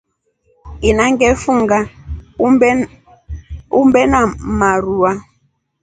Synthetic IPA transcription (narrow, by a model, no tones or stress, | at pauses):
inaŋ̩ɡɛfuŋɡa | umbɛnamaɾua